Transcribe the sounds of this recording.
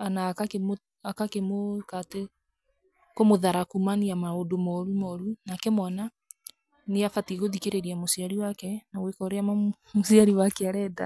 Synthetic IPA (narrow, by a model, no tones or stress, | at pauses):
anakakemo | akakemokate | komoðaɾakumaniamaodomɔɾumɔɾunakɛmɔna | neafatiɣoðikeɾeɾiamosiaɾiwakɛnawekɔɾeama | mosiaɾiwakeaɾɛda̰